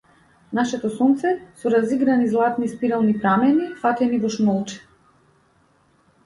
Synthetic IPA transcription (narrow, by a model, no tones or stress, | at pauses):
naʃɛt̪ɔsɔnt̪sɛsɔɾaziɡɾanizlˠat̪nispiɾalˠnipɾamɛnifat̪ɛnivɔʃmɔlˠt͡ʃɛ̥